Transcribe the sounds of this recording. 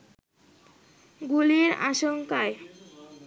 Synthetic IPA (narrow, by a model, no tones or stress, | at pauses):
ɡuliɾa̰ʃoŋkae